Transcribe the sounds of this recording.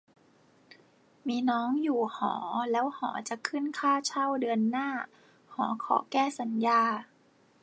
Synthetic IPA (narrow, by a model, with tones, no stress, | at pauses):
miː˧nɔː˦˥˨ŋjuː˨˩hɔ̰ː˩˦lɛː˦˥whɔ̰ː˩˦t͡ɕa˨˩kʰɯ˥˩˨nkʰaː˥˩t͡ɕʰa˥˩wdɯ˧ənːaː˥˩ | hɔː˩˦kʰɔ̰ː˩˦kɛː˥˩sa˨˩˦njaː˧